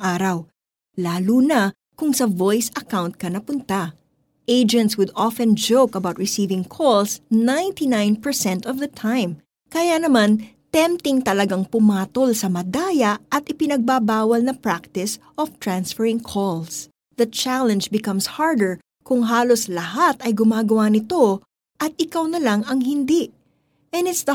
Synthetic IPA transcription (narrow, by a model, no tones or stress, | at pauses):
aːɾɐw | laːlunɐ | kʊŋsɐvojsɐkawnt̪̚kɐnɐpʊnt̪a | ʔejd͡ʒɛnt̪swʊd̪ɔfɛ̃nd͡ʒowkɐbawt̪̚ɹɪsiːvɪŋkʰɔlsnãjnt̪inãjnpɛɹsɛnt̪ɔvd̪ɐt̪ʰãjm | kɐjanɐman | t̪ɛ̃mp̚t̪ɪŋt̪ɐlɐɡaŋpʊmaːt̪olsɐmɐd̪aːjɐʔɐt̪ʔɪpɪnɐɡ̚babaːwɐlnɐpɹak̚t̪ɪsʔɔft̪ɹãnsfɛɹɪ̃ŋkʰɔls | ðɐt͡ʃalɛ̃nd͡ʒbɪkɐ̃mshaɹd̪ɛɹ | kʊŋɦaːloslɐɦat̪ɐjɡʊmaːɡɐwanɪt̪o̞ | ʔɐt̪̚ɪkawnɐlaŋɐŋɦɪnd̪iʔ | ʔɛ̃nɪt̪sd̪ɐ